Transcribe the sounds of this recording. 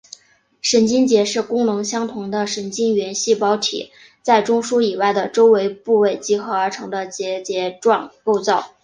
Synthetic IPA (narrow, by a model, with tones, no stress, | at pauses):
ʂə˧˥nt͡ɕi˥nt͡ɕjɛ˧˥ʂɻ̩˥˩kʊ˥ŋlʊ˧˥ŋɕjɑ˥ŋt̪ʰʊ˧˥ŋd̪ə˧ʂə˧˥nt͡ɕi˥nɥɛ˧˥nɕi˥˩pɑ˥ʊt̪ʰḭ˨˩˦ | t͡sa˥˩ɪʈ͡ʂʊ˥ŋʂu˥i˨˩wa˥˩ɪd̪ə˩ʈ͡ʂo˥ʊwe˧˥ɪpu˥˧we˥˩ɪt͡ɕi˧˥xɤ˧˥ə˞˧˥ʈ͡ʂʰɤ˧˥ŋd̪ə˧t͡ɕjɛ˧˥t͡ɕjɛ˧˥ʈ͡ʂwɑ˥˩ŋko˥˧ʊt͡sɑ˥˩ʊ